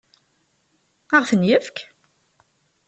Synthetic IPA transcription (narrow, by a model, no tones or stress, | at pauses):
əʁθənjəfk